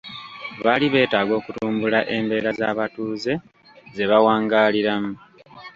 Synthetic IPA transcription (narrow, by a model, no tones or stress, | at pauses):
βaliβe̞ːtaːɡo̞ːkutuːmbulaʔe̞mbe̞ːɾazaːβatuːze̞ | ze̞βawaːŋɡaːliɾamu